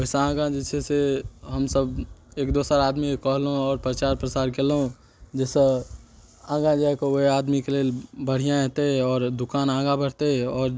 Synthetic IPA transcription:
əɪsaãːɡãd͡ʒɪsʰeseɦəmsəbeːkd̪oːsəɾaːd̪miekɔɦlõɔːɾpɾt͡ʃaːɾpɾəsaːɾkelɦõ | d͡ʒɛːse | ãːɡãd͡ʒaɛkooɦeaːd̪mikeleːlbəɽ̤ijãɛɦt̪eɦɛɔːɾd̪ʊkaːnãːɡãbəɽ̤t̪eɦɛɔːɾ

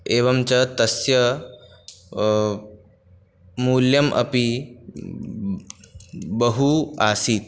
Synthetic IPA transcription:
eːʋɐmt͡ɕɐt̪ɐsjɐ | muːljɐmʔɐ̰pi | bəɦuaːsiːt̪̚

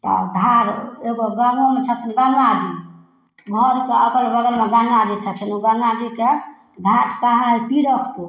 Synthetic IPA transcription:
t̪ɔ̰d̪ʱaɾeɡoɡaŋomet͡ʃʰət̪ʰənɡaŋad͡ʒi | ɡʱəɾkeəpəlbəɡəɾmeɡaŋɡad͡ʒit͡ʃʰət̪ʰənuɡaŋɡad͡ʒike | d̪ʱaʈkaɦaipiɽəkʰku

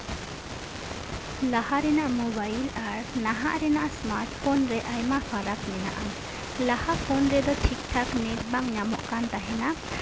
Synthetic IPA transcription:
lahaɾɛnaʔmɔbajlaɾnaɦa̰ʔɾɛnaʔasmaɾʈ̚pʰɔnɾɛʔajmapʰaɾaklɛna̰ʔaŋ | lahapʰɔnɾɛd̪ɔʈʰik̚ʈʰaknɛk̚baŋɲamɔ̰ʔkant̪aɦɛna

